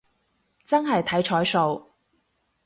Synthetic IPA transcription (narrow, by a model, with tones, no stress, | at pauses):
t͡sɐ˥nɦɐ˨jt̪ʰɐ˨˥jt͡ʃʰɔː˨˥jso˨˧w